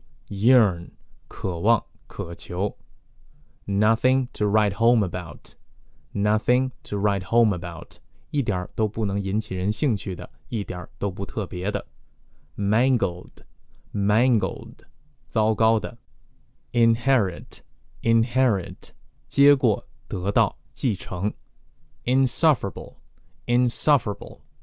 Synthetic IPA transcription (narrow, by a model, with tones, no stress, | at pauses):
jə˥˩nkʰɤ˨˩wɑ˥˩ŋkʰɤ˨˩t͡ɕʰjo˧˥ʊ | nɐ˥θɪ̃˧ŋtʰu˨ɹa˥˩ɪtxõ˥ʊ̃mə˨ba˥˩ʊt | nɐ˥θɪ̃˧ŋtʰu˨ɹa˥ɪthõ˥˧ʊ̃mə˨ba˥˩ʊti˥˩t̪̬ja˞˨˩˦t̪o˥ʊpu˥˩nɤ˧˥ŋi˧˥nt͡ɕʰi˨˩ɻə˧˥nɕi˥˧ŋt͡ɕʰy˥˩d̪ə̰˩i˥˩t̪jə̰˨˩˦t̪o˥ʊpu˧˥t̪ʰɤ˥˩pjɛ˧˥d̪ə˨ | mæ˥˩ŋɡəl̩ˠd̥mæ˥ŋɡəlˠdt͡sɑ˥ʊkɑ˥ʊd̪ə̰˨ | ɪ˧nhɛ˥ɹɪ̰˨tɪ˧˩nhɛ˥ɹ̰tt͡ɕjɛ˥kwɔ˨˩t̪ɤ˧˥t̪ɑ˥˩ʊt͡ɕi˥˩ʈ͡ʂʰɤ˧˥ŋ | ɪ˧nsʌ˥fə˞əbə̰˩lˠɪ˧nsʌ˦fə˞əbə̰˩l̩ˠ